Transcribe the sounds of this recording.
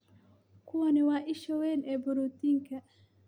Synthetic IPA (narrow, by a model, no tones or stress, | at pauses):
kʰʊwɐnɪwaːʔɪʃɔwɛːnɛːbʊɾut̪iːŋkʰɐ